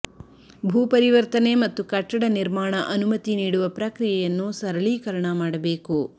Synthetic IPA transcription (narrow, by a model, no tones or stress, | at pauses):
bʱuːpɐɾiʋɐɾt̪ɐne̞mɐt̪ːukɐʈːɐɽɐniɾmaːɳɐʔɐnumɐt̪iniːɽuʋɐpɾɐkɾijɐjɐnːusɐɾɐɭiːkɐɾɐɳɐmaːɽɐbe̞ːku